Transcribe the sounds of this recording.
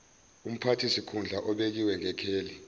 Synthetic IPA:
um̩pʰatʰisikʰund͡ɮʱaʔɔɓek̬iwɛŋɛkʰeːli

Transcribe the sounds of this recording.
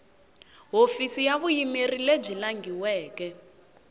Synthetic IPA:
ɦofisijaβujimerileb͡ʐilaŋɡiwɛːkɛ

